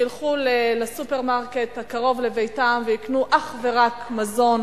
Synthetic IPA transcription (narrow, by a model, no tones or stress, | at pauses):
ilχulelesupeʁmaʁkethakaʁo̞vlevejtamveiknuʔaχve̞ʁakmazo̞n